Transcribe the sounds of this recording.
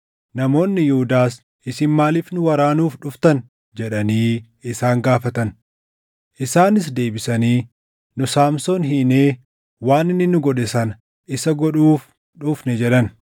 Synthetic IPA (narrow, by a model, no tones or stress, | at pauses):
nɐmo̞ːnːɪjʊhʊd̪aːs | ʔɪsɪnmaːliːfnʊwɐɾaːnuːfᶑʊft̪ɐn | d͡ʒɛᶑɐniː | ɪsaːŋɡaːfɐt̪ɐn | ʔɪsaːnɪs̬d̪e̞ːbɪsɐniː | nʊsaːmsonɦineː | waːnɪnːɪnʊɡɔᶑɛsɐnɐ | ʔɪsɐɡɔᶑuːf | ᶑʊfnɛd͡ʒɛᶑɐn